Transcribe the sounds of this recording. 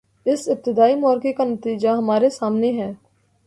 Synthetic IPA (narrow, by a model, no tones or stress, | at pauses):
ɪsɪp̚t̪ɪd̪aːimɔːɾkekanɐt̪iːd͡ʒaɦɐmaːɾesaːmneɦɛː